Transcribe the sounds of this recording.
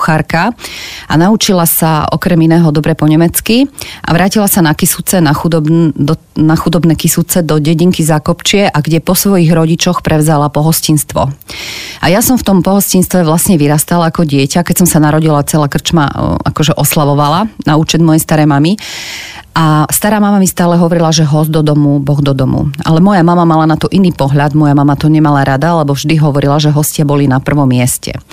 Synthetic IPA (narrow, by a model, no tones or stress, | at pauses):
xaɾkaa̰naut͡ʃilasaɔ̰kɾɛminɛːɦɔd̪ɔbɾɛpɔɲɛmɛt͡skiʔa̰ʋɾʔaːcilasanakisut͡sɛnaxud̪ɔb̪ | naxud̪ɔbnɛːkisut͡sɛd̪ɔɟɛɟiŋkizakɔpt͡ʃɪɛʔaɡɟɛpɔsʋɔjiɣɾɔɟit͡ʃɔxpɾʔɛʋzalapɔɦɔscinst̪ʋɔ̰ | ʔajasɔɱft̪ɔmpɔɦɔscinst̪ʋɛʋlasɲɛʋiɾast̪alaakɔɟɪɛcakɛcsɔmsanaɾɔɟilat͡sɛlaːkr̩t͡ʃma̰a̰kɔʒɛʔɔslaʋɔʋalanauːt͡ʃɛd̪mɔjɛst̪aɾɛjmami | ʔast̪aɾaːmamamist̪aːlɛɦɔʋɔɾilaʒɛɦɔzd̪ɔd̪ɔmubɔɣd̪ɔd̪ɔmṵa̰lɛmɔjamamamalanat̪ɔʔiniːpɔɦʎad̪mɔjamamat̪ɔɲɛmalaɾad̪aalɛbɔvʒd̪iɦɔʋɔɾilaʒɛɦɔscɪabɔlinapr̩ʋɔmːɪɛscɛ̰